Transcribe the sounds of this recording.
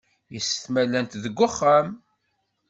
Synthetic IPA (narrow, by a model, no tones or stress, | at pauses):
jəsːəθmælːænt̪ðəɡʷːʊχːam